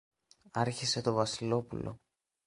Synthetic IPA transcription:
ɐɾçise̞t̪o̞vɐsilo̞pṵlʔo̞̰

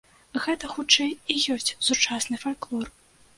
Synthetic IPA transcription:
ɣɛt̪ɐxut͡ʂɛjijɔsʲt͡sʲsut͡ʂasnɨfalʲklˠɔr

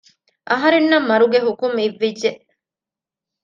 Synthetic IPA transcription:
ʔɐɦɐɾenːɐmːɐɾuɡeɦukumiʋːidːeʔ

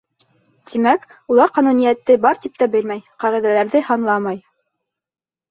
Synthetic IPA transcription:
t̪imæk | ulˠɑɾqɑnunijæt̪ːɘbɑɾt̪ip̚t̪æbɘ̆lmæjqɑʁiðælæɾðɘhɑnlˠɑmɑj

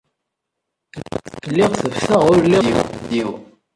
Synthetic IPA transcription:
lːiʁθəvθəʁʊɾliwiw

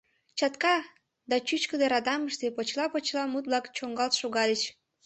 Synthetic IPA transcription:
t͡ɕɑt̪kɑ | d̪ɑt͡ɕyt͡ɕkəd̪eɾɑd̪ɑməʃt̪epot͡ɕlɑpot͡ɕlɑmut̪̚βlɑkt͡ɕoŋɡɑlt̪ʃoɣɑlʲet͡ɕ

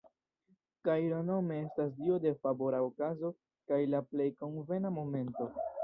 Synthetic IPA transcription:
kajɾono̞me̞e̞stas̬diode̞fabo̞ɾaokazo̞ | kajlaple̞jko̞nve̞namo̞me̞nto̞

